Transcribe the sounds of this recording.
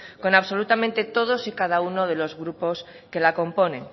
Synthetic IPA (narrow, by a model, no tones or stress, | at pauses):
ko̞naβso̞lut̪amẽnt̪e̞t̪o̞ð̞osikaðaunoð̞e̞lo̞zɣɾupo̞s | ke̞lako̞mpo̞nẽŋ